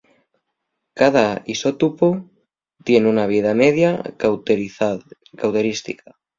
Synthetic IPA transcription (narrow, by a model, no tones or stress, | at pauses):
kaðaisot̪upo | t̪jenunaβ̞iðameðja | kawt̪eɾist̪ḭka